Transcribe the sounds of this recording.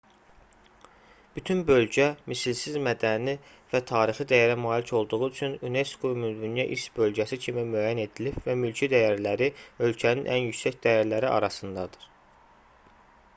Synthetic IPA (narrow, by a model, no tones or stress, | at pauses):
b̥yt̪ʰynbø̞lɟæmisilsizmæd̪æni | væt̪ʰɑːɾiχid̪æjæɾæmɑːlicʰo̞lˠd̪uʁuyt͡ʃʰynune̞skʰomyzmynjæʔisbø̞lɟæsicʰimimyæjæne̞d̪ilibvæmylcʰid̪æjæɾlæɾiø̞lcʰæninʔænjycʲsæcd̪æjæɾlæɾiʔɑ̰ɾɑsɯnd̪ɑd̪ɯ̥ɾ̥